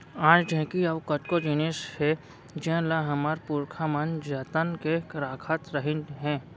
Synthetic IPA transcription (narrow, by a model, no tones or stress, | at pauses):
ãːt͡ʃd͡ʒʱɛ̃ːkiɐʋkəʈkod͡ʒɪneːshɛ | d͡ʒɛ̃laɦɐmaɾpuːɾkʰamənd͡ʒət̪ənkekɾaːkʰat̪ɾəɦɪ̃nɦɛ̃ː